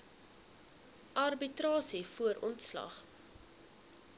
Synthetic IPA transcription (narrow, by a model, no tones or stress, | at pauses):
ʔɐrbitɾɑːsifuəɾʔɔntslɐ̰χ